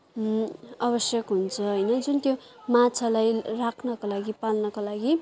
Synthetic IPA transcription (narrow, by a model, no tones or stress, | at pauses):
ʌbʌsjʌkɦunt͡sʰʌɦʌjnʌd͡zunt̪jomat͡sʰʌlajrakʰnʌkolaɡipalnʌkolaɡi